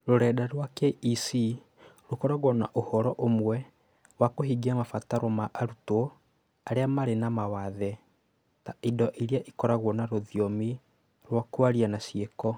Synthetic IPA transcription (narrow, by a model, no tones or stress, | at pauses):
ɾoɾɛdaɾwakɛisi | ɾokɔɾaɣwɔnaʔohɔɾɔʔomwɛ | wakoɦiɡiamafataɾɔmaʔaɾuto | aɾeamaɾenamawaðɛ | taidɔʔiɾiaʔikɔɾaɣɔnaɾoðiɔmi | ɾwakwaɾianasiekɔ